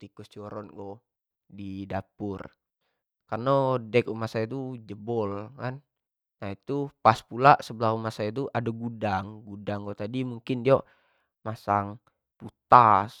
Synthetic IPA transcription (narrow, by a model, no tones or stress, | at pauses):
t̪ikust͡ʃɔɾɔnɡɔ | didapur | karnodɛk̚umasait̪ud͡ʒəbɔlkanː | ait̪upaspulaʔsəbəlahumasait̪̬uʔadaɡudaŋɡudaŋɡot̪adimuŋkɪndia | masaŋ | put̪as